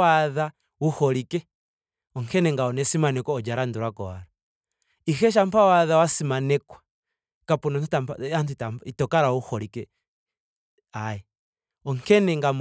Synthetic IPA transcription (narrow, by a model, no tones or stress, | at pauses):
aða | wuhɔɾikɛ | ɔŋkɛnɛŋɡaɔnɛsimanɛkɔɔd͡ʒaɾanduɾwakɔaɾa | ixɛʃ̬ampawaðawasimanɛkwa | kapunɔntutampantuitaitɔkaɾauhɔɾikɛ | aɛ | ɔŋkɛnɛŋɡam